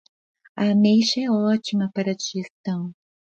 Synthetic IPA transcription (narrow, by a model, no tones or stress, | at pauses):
ɐmeʃɐɛɔt͡ʃimɐpaɾɐd͡ʒiʒest̪ɐ̃w̃